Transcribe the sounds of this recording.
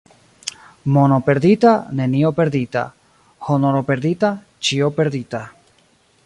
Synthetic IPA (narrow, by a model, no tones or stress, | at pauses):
monopeɾðit̪aneniopeɾðit̪a̰ | hononopeɾðit̪a | t͡ʃiopeɾðit̪a